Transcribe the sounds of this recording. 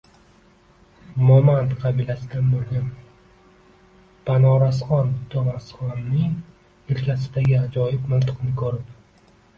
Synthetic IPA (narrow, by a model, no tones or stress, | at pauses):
mɒmant̪qʰɑbilasɪd̪anbolˠɡʲan | pʰanɒɾasχɒnt̪ʰomasχɒnːɪŋ | elkʲʰasɪd̪aɡʲaːd͡ʒɒjɪbmɪnt̪ʰɨ̥qnɪkʰɵɾɪp